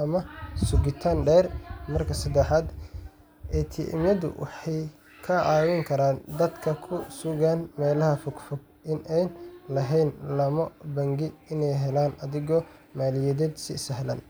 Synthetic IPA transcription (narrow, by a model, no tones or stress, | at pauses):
ʔɐmɐsʊɡɪt̪ʰanɖɛːrmɐrkʰɐsɐd̪ɛħɑːd̪ | ʔɛt̪ʰḭʔɪ̰mjɐðʊ̰wʔɑ̰ħɑj | kʰɐɑːwɛŋkʰɐɾaːnd̪ɐd̪kʰɐkʰʊsʊɣaːnmɛːlɐhɐfʊɡfɔɡ̚ | ʔɪnʔɛjnlɐɦɛjnlɐmɐbɐŋɡɪɪnɛjɦɛlaːnɐðɪɣɔ | maːlɪjɛðɛːd̪sɪ̰sɐɦlɐ̰n